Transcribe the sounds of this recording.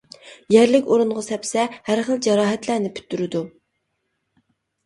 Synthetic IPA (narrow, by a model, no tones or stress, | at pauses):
jæɾlɪkʲoɾuɴʁɑsɛpsɛhæɾχəlˠd͡ʒɑɾɑːɦɛt̪lænɪpʰy̥t̪ʰːyɾɪd̪u